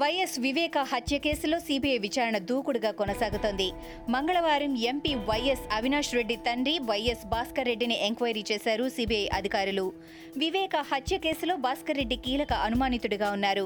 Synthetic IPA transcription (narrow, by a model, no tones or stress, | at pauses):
ʋɐjesʋiʋɛːkɐhɐt̪jɐke̞ːsulo̞ːsiːbijɐjʋit͡ʃaːɾɐɳɐd̪uːkuɽuɡaːkɔnɐsaːɡut̪oːnd̪i | mɐŋɡɐɭɐʋaːɾɐme̞mpiʋɐjesɐʋinaːʂɾe̞ɖːit̪ɐnɖɾiʋɐjesbaːskɐɾːe̞ɖːiniʔe̞ŋkʋɐjɐɾit͡ʃɛːsaːɾusiːbijɐjʔɐd̪ʱikaːɾulu | ʋiʋɛːkɐhɐt̪jɐke̞ːsulo̞ːbaːskɐɾːe̞ɖːikiːlɐkɐʔɐnumaːnit̪uɽuɡaːunːaːɾu